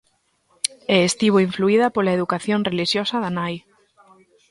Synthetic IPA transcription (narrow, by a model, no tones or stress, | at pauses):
ɛest̪iβ̞oiɱfluið̞apolaeðukaθjonreliʃjosaðanaj